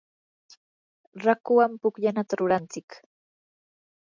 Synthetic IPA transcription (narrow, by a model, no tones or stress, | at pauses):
ɾakʊwampʊkʎanat̪aɾʊɾant͡sɪk